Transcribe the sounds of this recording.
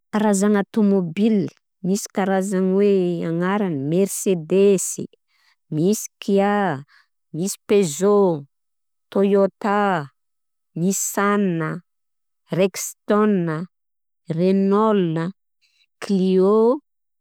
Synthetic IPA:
aɾazaŋat̪omobil | misi̥kʲaɾazaŋweaŋaɾanəmɛɾsed̪esḭ | misi̥kʰia | misi̥pezo | t̪ojot̪a | nissanːə | rekst̪ɔnːə | renɔlnə | klio

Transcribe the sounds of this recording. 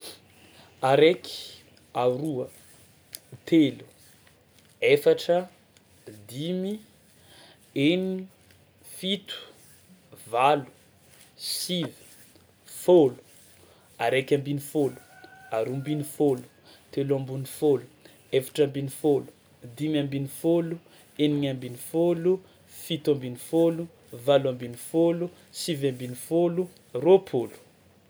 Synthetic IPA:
aɾeki̥ | aɾuə | t̪ʰelu̥ | efaʈ͡ʂə | d̪imi | eni | fit̪u̥ | valu̥ | sivi̥ | folu̥ | aɾekʲãmbinifolu̥aɾumbinifolu̥ | t̪elãmbunifolu̥ | efḁʈ͡ʂambinifolu̥ | d̪imambinifolu | eniɲambinifolu | fit̪ambinifolu | valwambinifolu | sivambinifolu | ropʰolu̥

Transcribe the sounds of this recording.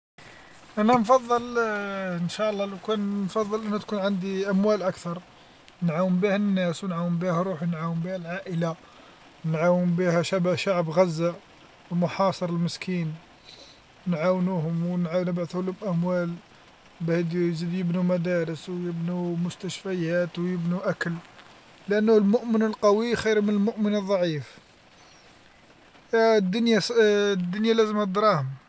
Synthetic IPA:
ʔænænfɑðˤːəl | ənʃæʔlˤːɑlwkænnfɑðˤːəlʔænːæt̪kunʕand̪iʔæmwælʔækt̪ɑɾˤ | nʕawənbihænːæswnʕawəmbihæɾˤuħnʕawəmbihælʕaʔəla | nʕawəmbihæʃabæʃaʕbɣæzːa | mʊħɑsˤəɾˤəlməskʰin | nʕawnuhʊmwnʕanəbʕat̪hʊlʊmʔæmwæl | bʕid̪zid̪jəbnumæd̪æɾəswjəbnumʊst̪æʃfæjæt̪wjəbnuʔækəl | lʔænːhʊlmʊʔmənəlqɑwixiɾmənəlmʊʔmənəðˤːɑʕif | d̪ːʊnjad̪ːʊnjalæzəmæt̪d̪ɾˤɑhʊm

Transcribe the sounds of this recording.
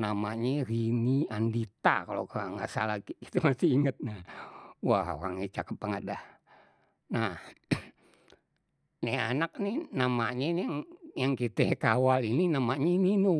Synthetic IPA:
namaɲɛriniandit̪a̰kalokaaŋɡaʔsa̰laki̥t̪emasiiŋət̪̚nawaɦo̰ɾa̰ŋit͡ʃakəp̚ːaŋət̪̚dah | nah | nɛanak̚ninamaɲɛnaŋjaŋkit̪ɛkawalininamaɲɛininu

